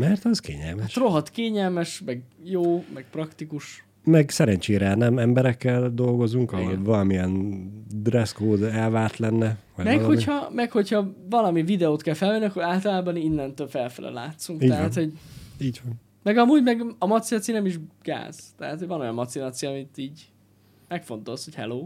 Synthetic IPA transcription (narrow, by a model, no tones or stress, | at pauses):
mɛrt̪ɛzkḛːɲɛ̰lmɛʃt̪ro̞ɦɒt̪keːɲɛlmɛʃmɛɡjoːmɛɡ̚prɒkt̪ikuʃ | mɛɡsɛɾɛɲt͡ʃeːɾɛnɛmɛmbɛɾɛkːɛld̪o̞lɡo̞zuŋkɒɦolvɒlɒmiɛnd̪rɛskoːd̪ɛlvaːrt̪lɛnːɛvɒjmɛkho̞ichɒmɛkho̞chɒvɒlɒmivid̪ɛoːt̪kɛlfɛlvɛniɒkːoɾaːlt̪ɒlaːbɒninːɛnt̪øːlfɛlfɛlɛ̰la̰ːt̪suŋktiːɛɦaːt̪ho̞ɟiːɟvɒn | mɛɡɒmuːɟmɛɡɒmɒt̪sinɒt̪sinɛmiʒɡ̥a̰ːz̥t̪ɛɦaːt̪hojvɒno̞jɒmmɒt̪sinat̪sijɒmit̪iːɟ | mɛkfo̞nt̪o̞lsho̞chɛ̰loː